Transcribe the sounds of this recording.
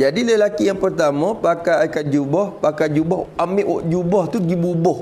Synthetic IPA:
d͡ʒadiləlakijaŋpərt̪amɔ̃pakaakat̪̚d͡ʒubɔhpakad͡ʒubɔhamɪʔwɔʔd͡ʒubɔht̪uɡibubɔh

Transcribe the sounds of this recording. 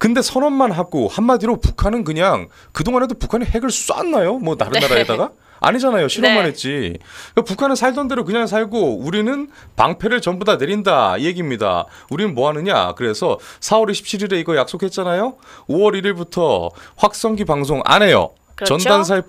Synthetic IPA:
kɯnde̞sʰʌnʌmːanɦak͈ohamːadiɾopukʰanɯnkɯɲaŋ | kɯdoŋane̞dopukʰanehe̞ɡɯɭsanːajomwʌna̰ɾɯnnːaɾaedaɡa | a̰ɲid͡ʑanajoɕʰiɾʌmːanɦe̞t̚t͡ɕ͈ikapukʰanɯnsʰaɭdʌnde̞ɾok̬ɯɲaŋs̬ʰaɭɡouɾinɯn | pa̰ŋpʰe̞ɾɯɭt͡ɕʌmbudane̞ɾindaije̞ɡimɲida̰ | uɾinɯnmoɦanɯɲa̰kɯɾe̞sʰʌsʰawʌɾiɕʰi̥p̚t͡ɕʰiɾiɾe̞iɡʌjak̚s͈okʰe̞t̚t͡ɕ͈anajoowʌɾiɾiɭbutʰʌɸwak̚s͈ʌŋɡipaŋsʰoŋʔa̰ne̞jo̰ | t͡ɕʌndans̬ʰaɭ

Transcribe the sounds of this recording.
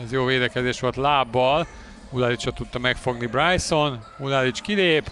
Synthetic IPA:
ɛzjoːveːd̪ɛkɛzeːʃʋo̞lt̪laːbːɒl | ulaːlit͡ʃɒt̪ut̪ːɒmɛkfo̞ɡnibrajso̞n | ulalit͡ʃkileːp

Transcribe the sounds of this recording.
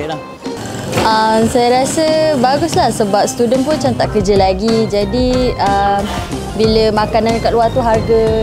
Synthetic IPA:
ʔəmsajaɾasəbaɡʊslahsəbap̚st̪udənpʊnt͡ʃant̪aʔkəd͡ʒəlaɡid͡ʒadiəm | biləmãkanãnkat̪̚luart̪uɦarɡə

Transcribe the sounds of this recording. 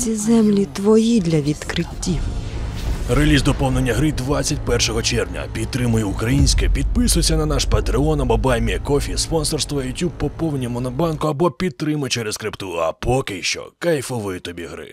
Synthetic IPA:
t͡sʲizɛmlʲit̪ʋɔjid̪ʲlʲɐʋʲid̪kɾɪtʲːiw | relʲizd̪ɔpɔwnenʲːɐɦɾɪd̪ʋɑt͡sʲːɐtʲpɛrʃɔɦɔt͡ʃɛrnʲɐ̰pʲid̪̚t̪ɾɪmʊjɛʊkɾɐjinʲsʲkɛpʲid̪̚pɪsʊjesʲɐnɐnɑʃpɐt̪ɾɪɔnɐbɔbɑjmʲikɔfʲispɔnsɔrst̪ʋɔjʊtʲub̚pɔpɔwnʲimɔnɐbɑnkʊɐbɔpʲid̪̚t̪ːɾɪmɪjt͡ʃɛɾeskɾɪpt̪uɐ̰pɔkɪʃt͡ʃɔ̰kɐjfɔʋʊjɪt̪ɔbʲiɦɾɪ̰

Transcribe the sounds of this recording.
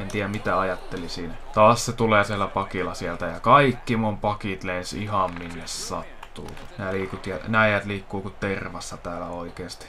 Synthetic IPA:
ent̪iːjæmmit̪æɑjɑt̪ːelisiːnæt̪ɑːsset̪uleːsiælːˑæpɑkilɑsiælt̪æjɑkɑikːimumpɑkit̪lensḭhɑmmijːessɑ̰t̪ːṵːnæːliːkut̪jɑnæˑijæt̪liːkːuːkut̪t̪erʋɑsːɑt̪æːlæoikeːst̪i̥

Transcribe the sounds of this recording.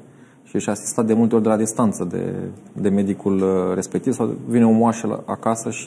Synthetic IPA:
ʃiʃasi̥st̪at̪d̪e̞mult̪eorʲd̪elad̪ist̪ant̪səd̪ḛd̪e̞me̞d̪ikulre̞spekt̪ivsawvineomoaʃel̰a̰kasəʃi̥

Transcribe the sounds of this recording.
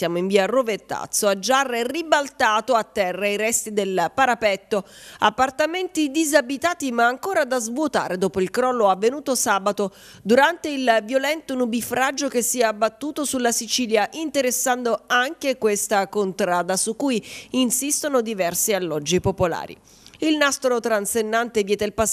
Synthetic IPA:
sjaːmoiɱviːarovet̪ːa̰t̪sːoad͡ʒːarːeribalt̪aːt̪oat̪ːɛrːaiɾɛst̪id̪elpaɾapɛt̪ːo | a̰pːart̪ament̪id̪izabit̪aːt̪imaːŋkoːɾad̪azvuot̪a̰ːɾed̪oːpoilkɾɔlːoavːenuːt̪osaːbat̪o | d̪uɾant̪eilvjolɛnt̪onubifɾad͡ʒːok̟esːiɛabːat̪ːuːt̪osulːasit͡ʃiːljaʔint̪eɾesːand̪oaŋk̟ekwest̪akont̪ɾaːd̪asukːujinsist̪onod̪ivɛrsialːɔd͡ʒːipopola̰ːɾḭ | ilnast̪ɾot̪ɾansenːant̪ed̪jɛːt̪elpa

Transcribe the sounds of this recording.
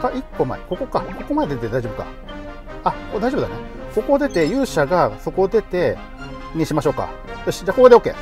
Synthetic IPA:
kaʔikːo̞ma̰eko̞ko̞kako̞ko̞maed̪et̪ed̪aiʑobɯka̰ | akod̪aiʑobɯd̪ane | so̞ko̞d̪e̞t̪e̞jɯ̟ːɕaɡaso̞ko̞d̪e̞t̪e̞ | ɲ̟ĩɕimaɕo̞ːka̰ | d̪oɕid͡ʑakokɾd̪eoke̞̰

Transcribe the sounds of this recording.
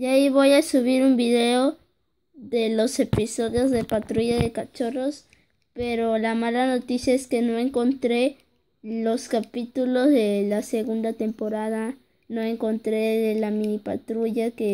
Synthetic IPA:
jaiβo̞jasuβiɾumbiðeo | ðelo̞se̞piso̞ðjo̞zðe̞pat̪ɾuʝaðe̞kat͡ʃo̞ros | peɾo̞lamalano̞t̪isjaeske̞no̞eŋko̞nt̪ɾe | lo̞skapit̪ulo̞zðelaseɣund̪at̪e̞mpo̞ɾaða | no̞e̞ŋko̞nt̪ɾelamĩnipa̰t̪ɾuʝake

